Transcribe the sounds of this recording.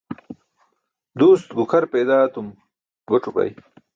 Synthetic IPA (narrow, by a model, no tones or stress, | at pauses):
d̪uːst̪ɡukʰɐɾpeːd̪aːt̪um | ɡoʈ͡ʂupɐ̰j